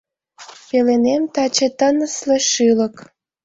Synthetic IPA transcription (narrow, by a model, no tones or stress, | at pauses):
pelenemt̪ɑt͡ɕet̪ənəsleʃylək